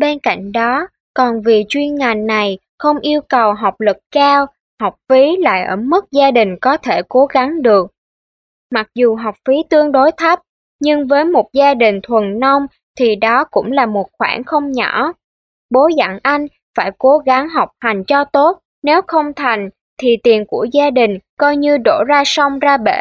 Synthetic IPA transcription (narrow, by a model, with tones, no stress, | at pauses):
ɓe˧nka̰˧˨jŋ̟ɗɔ˨˦ | kɔ˨˩nvi˨˩t͡ɕwi˧ənŋa˨˩jŋnːa˨˩j | xə˧wŋ͡mʔi˧əwkə˨˩wɦa˨˩wk͡p̚lɨ˨˩k̚kaː˧w | ha˨˩wk͡p̚fi˨˦la̰ː˧˨jʔəː˧˩mɨ˦˥k̚zaː˧ɗï˨˩ŋ̟kɔ˨˦t̪ʰe˧˩ko˨˦ɣa˨˦ŋɗɨ˨˩ək̚ | ma˨˩k̚zu˨˩ɦa˨˩wk͡p̚fi˨˦t̪ɨ˧əŋɗo˨˦jt̪ʰa˦˥p̚ | ɲɨ˧ŋvəː˨˦jmo˨˩t̚zaː˧ɗï˨˩ŋ̟t̪ʰwə˨˩nnɔ˧wŋ͡m | t̪ʰi˨˩ɗɔ˨˦kʊ̰˧˥ŋ͡mlaː˨˩mo˨˩t̚xwaː˧˩nxə˧wŋ͡mɲɔ̰˧˩˥ | ɓo˨˦za̰˧˩nʔa˧jŋ̟ | faː˧˩jko˨˦ɣa˨˦ŋɦa˨˩wk͡p̚ha˨˩jŋ̟t͡ɕɔ˧t̪o˦˥t̚ | ne˨˦wxə˧wŋ͡mt̪ʰa˨˩jŋ̟ | t̪ʰi˨˩t̪i˨˩ənku˧˩əzaː˧ɗï˨˩ŋ̟kɔ˧jɲɨ˧ɗo˧˩zaː˧sɔ˧wŋ͡mzaː˧ɓḛ˧˩˨